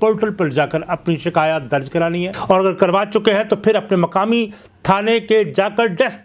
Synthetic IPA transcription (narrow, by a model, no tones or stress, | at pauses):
poːʈəlpɐɾd͡ʒaːkəɾɐpniʃɪkaːjət̪̚d̪ɐɾd͡ʒkɐɾaːniɦɛɔːɾɐɡəɾkɐɾʋaːt͡ʃʊkeɦɛ̃t̪opʰɪɾɐpnemɐkaːmi | t̪ʰaːneked͡ʒaːkəɾɖɛs